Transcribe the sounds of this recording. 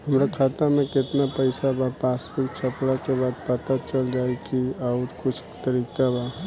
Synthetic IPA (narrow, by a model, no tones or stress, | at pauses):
ɦəmɾakʰaːt̪amẽkɪt̪napəɪsabapaːspɪkt͡ʃʰəpɽakebaːd̪̚pət̪at͡ʃəld͡ʒaːekiaʊɾkʊt͡ʃʰt̪əɾiːkaba